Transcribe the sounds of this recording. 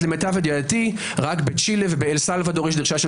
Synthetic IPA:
lemet̪aved̪joat̪i | ʁakbet͡ʃilevebeelsalvad̪oʁeʃd̪iʁʃaʃe

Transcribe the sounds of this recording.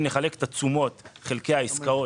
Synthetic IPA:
ne̞χale̞ke̥t̪at͡sumo̞t̪χe̞lke̞jaiskao

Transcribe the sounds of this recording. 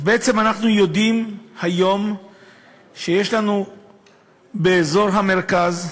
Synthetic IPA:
beet͡se̞manaχnujo̞d̪imhajo̞m | ʃejeʃlanu | be̞ːzo̞ʁɦameʁkaz

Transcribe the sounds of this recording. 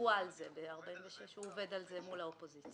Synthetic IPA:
uaːlzebeaʁbaimveʃe̞ʃhuove̞dalzemulaopo̞zit͡st͡s

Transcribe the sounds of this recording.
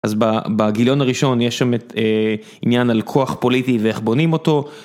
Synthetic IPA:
ʔazbabaɡiljo̞naʁiʃo̞njeʃamete | injanalkʰo̞aχpo̞litiveeχbo̞nimo̞to̞

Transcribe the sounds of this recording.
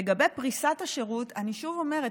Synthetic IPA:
eɡabe̞jpʁisathaʃe̞ʁutʰaniʃuvo̞me̞ʁe

